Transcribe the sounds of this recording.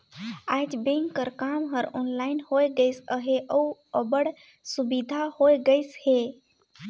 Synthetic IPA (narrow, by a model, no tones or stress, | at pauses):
aːd͡ʒbeŋkəɾkaːmɦəɾɔnlaːɪnhojɡəjsəɦeʔəuəbəɽ | subid̪ʱahoːjɡəjshe